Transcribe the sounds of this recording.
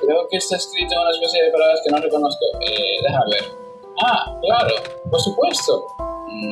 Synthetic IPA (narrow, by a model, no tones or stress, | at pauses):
kɾeokest̪aeskɾit̪ounaespesjeðepaɾaaskenorekonoθko̰ḛðeɦaβeɾ | aklaɾo̰poɾsupwe̞st̪o